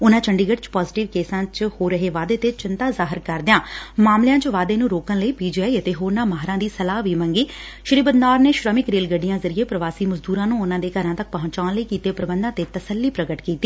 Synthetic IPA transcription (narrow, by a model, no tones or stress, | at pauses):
ʊnãːt͡ʃʰəɳɖiːɡəɖt͡ʃpaːzɪʈɪʋkeːsãːt͡ʃhoːɾːəɦeːʋaːd̪eːt̪eːt͡ʃɪnt̪aːzaːɦɪɾkəɾd̪ɪjãːmaːmlejãːt͡ʃʋaːd̪eːnũːɾoːkənləiːpiːd͡ʒaːiːət̪eːɦoːɾnãːmaːɦɾãːd̪iːsəlaːʋiːmə̃ŋɡiː | ʃəɾiːbəd̪naːɾneːʃɾəmɪkɾeːlɡəɖːijãːzəɾɪeːpɾəʋaːsiːməzd̪uːɾãːnũːʊnãːd̪eːkəɾãːt̪ək̚pəɦʊ̃ɲt͡ʃaːnləiːkiːt̪eːpɾəbənd̪ãːt̪eːt̪əsəlːiːpɾəɡəʈkiːt̪ːiː